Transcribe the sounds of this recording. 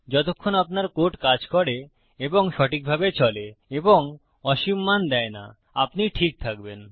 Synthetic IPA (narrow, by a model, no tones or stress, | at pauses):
d͡ʑɔt̪okʰːonapnaɾkoʈkad͡ʑkɔɾe | eboŋʃɔʈik̚bʱabet͡ɕɔleeboŋ | ɔʃimːand̪ɛena̰ | apniʈʰik̚t̪ʰak̚ben